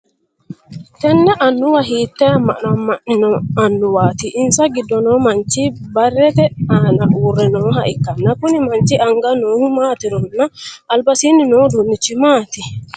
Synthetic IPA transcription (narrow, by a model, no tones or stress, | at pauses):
t̪ɛnːaʔanːuwaɦit̪ːɛmanamːaɗinɔanːuwaːt̪iʔːnsaɡidːɔnɔmant͡ʃibarɛt̪ɛanaʔuɾːɛnɔɦaʔikːanːakunimaɲt͡ʃiaŋɡanɔhumat̪iɾɔnːaʔːlbasininɔdunːit͡ʃimat̪i